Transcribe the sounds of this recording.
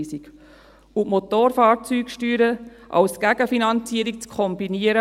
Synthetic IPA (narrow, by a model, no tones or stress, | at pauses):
sik | umot̪oːɾfɑːɾt͡syːkʃtyːɾə | ʔɑ̰wsɡ̥æɡəfinɑnt͡siəɾik̚t͡skʰɔmbiniəɾə